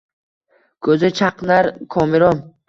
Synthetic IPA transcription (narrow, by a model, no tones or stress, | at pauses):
kʰɵzɪt͡ʃʰaqnaɾkʰɒmɪɾɒn